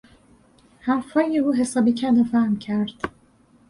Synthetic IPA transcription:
hæmfɒːjeuːɦesɒːbicʰænd̪ofæhmcʰæɾd̪̥

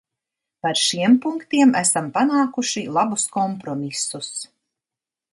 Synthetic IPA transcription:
paɾʃiɛmpuŋkt̪iɛmæsampanaːkuʃilˠabuskɔmpɾɔmisus

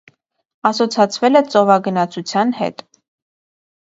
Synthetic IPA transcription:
ɑsɔt͡sʰɑt͡sʰvɛlɛt͡sɔvɑɡənɑt͡sʰut͡sʰjɑnhɛ̰t̪

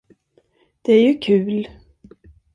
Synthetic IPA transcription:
d̪̥ɛæɾjɵkʰʉ̟ːl

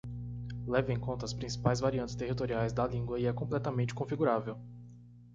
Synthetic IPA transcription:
lɛvɪẽkõt̪ɐːspɾĩsi̥pajzvaɾiɐ̃nt͡ʃɪ̥st̪eɦit̪oɾiajzd̪ɐlĩŋɡwɐɪɛkõplɛt̪ɐmẽnt͡ʃɪ̥kõfiɡuɾavew

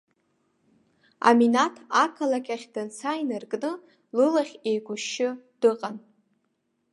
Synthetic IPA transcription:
a̰minatʰakʰalakʲʼaχʲdɨnt͡sʰajnɨrkʼnɨ | lɨlaχʲejɡʷʊʃɪd̥ɨqʼan

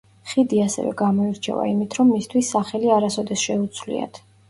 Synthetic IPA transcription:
χid̪iasɛ̰vɛ̰ɡamɔiɾt͡ʃʰɛ̰va̰imit̪ʰɾɔmːist̪ʰwisːaχɛliaɾasɔd̪ɛsʃɛut̪sʰvlḭa̰t̪ʰ

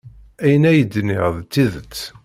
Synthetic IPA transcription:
æjənæjəd̪ːnɪʁðˤt͡sːiðət͡sː

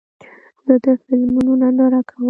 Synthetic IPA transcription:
d̪əd̪əfɪlmununanaɾakʰawə

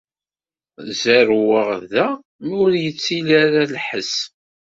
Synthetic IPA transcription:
zæɾwəʁðæ | mʊɾjət͡sːilaɾalħəs

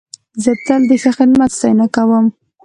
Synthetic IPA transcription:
zət̪ald̪əxəxɪd̪mat̪sajnakawəm

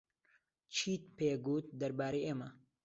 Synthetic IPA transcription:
t͡ʃʰiːt̪̚peːɡuːt̪̚d̪ɐɾbaːɾejʔeːmɐ

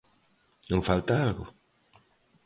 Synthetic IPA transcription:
nõŋfalt̪aalɣʊ̰

